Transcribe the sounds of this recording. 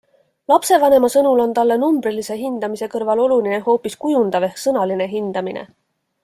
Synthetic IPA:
lɑpse̞vɑne̞mɑsɤnulo̞nt̪ɑlːe̞numbrilise̞ɦind̪̥ɑmise̞kɤrvɑlo̞lulineho̞ːpːˑiskujund̪̥ɑve̞hksɤnɑline̞ɦind̪̥ɑminʔḛ

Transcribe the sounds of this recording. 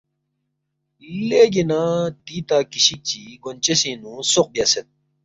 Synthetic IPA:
leɡinãt̪iːt̪aːkiɕik̚t͡ɕiɡont͡ɕesĩnũsoq̚bjaset̪̚

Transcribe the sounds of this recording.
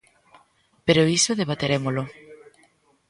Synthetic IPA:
peɾoisoðeβ̞at̪eɾemolo

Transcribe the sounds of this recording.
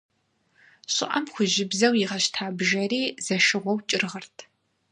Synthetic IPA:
ɕʷɪ̰ʔɐmχʷʊʒɪbzɐwjiʁɐɕtʰaːbʒɐriːz̥ɐʃɨʁʷɔwt͡ʃʼɪrʁɐrtʰ

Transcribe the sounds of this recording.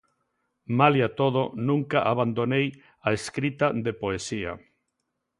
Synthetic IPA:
maljat̪oð̞onũŋkaʔaβand̪onej | aeskɾit̪aðepoesia̰

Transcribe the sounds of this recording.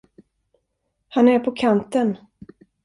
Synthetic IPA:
hanæɾpʰɔkʰant̪ən

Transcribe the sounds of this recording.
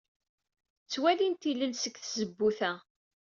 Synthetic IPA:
t͡sːwælint̪ilːənsəkθzəbːuθæ

